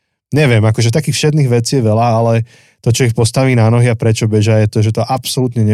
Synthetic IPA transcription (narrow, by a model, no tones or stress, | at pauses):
ɲɛʋɪɛmakɔʒɛt̪akiːxfʃɛd̪niːɣʋɛt͡sijɛʋɛlaalɛ | t̪ɔt͡ʃɔixpɔst̪aʋiːnanɔɦiapɾɛt͡ʃɔbɛʒajɛt̪ɔʒɛt̪ɔʔapsɔlut̪ɲɛɲɛ